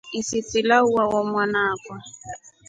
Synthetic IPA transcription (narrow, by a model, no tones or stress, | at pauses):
isit͡silauwawɔmwanaːkwa